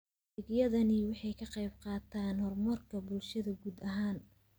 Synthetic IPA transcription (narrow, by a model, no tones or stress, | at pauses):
ɪɡjɐðɐnɪwɑħɑjkʰɐqɑjb̚qɑːt̪ʰaːnhɔrmɐrkʰɐbʊlʃɐðɐɡuːd̪ɐɦaːn